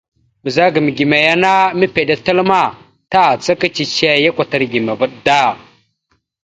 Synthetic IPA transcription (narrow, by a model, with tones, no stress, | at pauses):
bə˨za˦ɡə˨m˨ɡi˨me˨ja˦na˦mi˦pe˨ɗa˨tə˦lma˦˨ | ta˦˨t͡sa˦ka˦t͡ʃi˨t͡ʃe˦ja˦kʷa˨ta˨ɾɡi˨me˨və˦ɗda˦˨